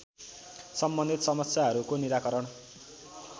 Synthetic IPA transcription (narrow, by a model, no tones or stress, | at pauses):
sʌmbʌnd̪ʱit̪sʌmʌsjaɦʌɾukoniɾakʌɾʌɳ